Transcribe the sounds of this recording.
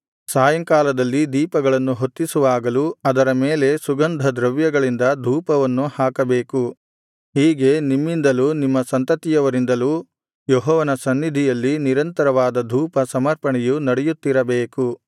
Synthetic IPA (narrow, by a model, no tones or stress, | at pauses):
saːjɐŋkaːlɐd̪ɐlːid̪iːpɐɡɐɭɐnːuɦot̪ːisuʋaːɡɐluɐd̪ɐɾɐmeːle̞suɡɐnd̪ʱɐd̪ɾɐʋjɐɡɐɭind̪ɐd̪ʱuːpɐʋɐnːuhaːkɐbe̞ːku | ɦiːɡe̞nimːind̪ɐluːnimːɐsɐnt̪ɐt̪ijɐʋɐɾind̪ɐluː | jɔɦɔːʋɐnɐsɐnːid̪ʱijɐlːiniɾɐnt̪ɐɾɐʋaːd̪ɐd̪ʱuːpɐsɐmɐɾpɐɳɛjunɐɽɛjut̪ːiɾɐbeːku